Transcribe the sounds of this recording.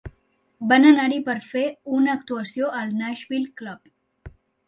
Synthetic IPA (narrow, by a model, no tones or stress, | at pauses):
bənənaɾipəɾfeunak̚t̪uasjoʔalnaʃbilkləb